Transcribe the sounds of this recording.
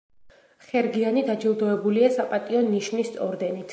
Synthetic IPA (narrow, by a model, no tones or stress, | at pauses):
χɛɾɡianid̪ad͡ʒilˠd̪ɔɛbuliasapʼat̪ʼiɔnːiʃnist̪sʼɔɾd̪ɛnit̪ʰ